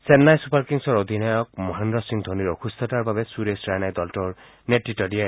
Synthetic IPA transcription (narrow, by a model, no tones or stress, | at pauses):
senːajsupaɾkiŋsɔɾɔd̪ʱinajɔk̚mɔɦandɾɔsiŋd̪ʱoniɾɔkʰust̪ɔtaɾbabesuɾesɾajnajd̪ɔlʈɔɹ | neʈːitɔɾia